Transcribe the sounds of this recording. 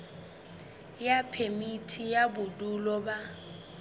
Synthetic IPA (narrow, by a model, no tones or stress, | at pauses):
japʰemitʰijabʊdulɔba